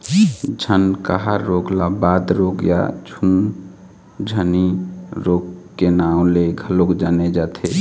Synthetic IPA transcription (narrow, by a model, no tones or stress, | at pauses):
d͡ʒʱənkaɦaɾːoɡlabad̪ɾoɡja̰d͡ʒʰʱun | d͡ʒʱəniɾoɡkenaʊ̃leɡʱəlokd͡ʒaned͡ʒat̪ʰe